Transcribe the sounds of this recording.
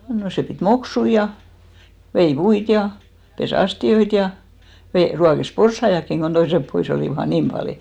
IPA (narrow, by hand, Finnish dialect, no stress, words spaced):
no seˑ pit moksui jɑ ʋei puit jɑ pes ɑstioit jɑ ʋe ruɑkes porsːɑij̆ɑkːiŋ ɡ̊on toisep pois oliˑʋɑ ɑi niːm pɑliˑ